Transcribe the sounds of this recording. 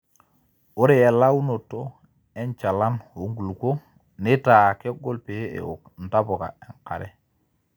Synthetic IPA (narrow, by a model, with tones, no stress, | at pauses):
o˦ɾe˨e˨la˦wu˦no˨to˦ | e˦nt͡ʃa˨la˦no˨˦ŋɡu˨lko˦ | nɪ˦ta˨ke˦ɡo˦lpe˨˦ḛ˨o̰˨kn̩˨ta˦bo˨ka̰˨e˨ŋka̰˨ɾɛ̰˦